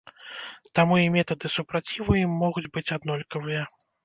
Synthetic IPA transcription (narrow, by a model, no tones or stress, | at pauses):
t̪amuimʲɛt̪ɐd̪ɨsupɾat͡sʲivɨjimːɔɣud͡zʲbɨt͡sʲad̪nɔlʲkɐvɨjɐ